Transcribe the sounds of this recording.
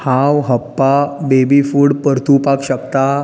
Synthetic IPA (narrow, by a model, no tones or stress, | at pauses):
hãwɦəpːabebifuːɽpəɾt̪upakɕəkt̪a